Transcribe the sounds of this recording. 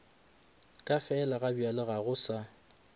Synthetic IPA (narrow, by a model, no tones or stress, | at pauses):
kʼafɛlaɣabialɪɣaɣʊsa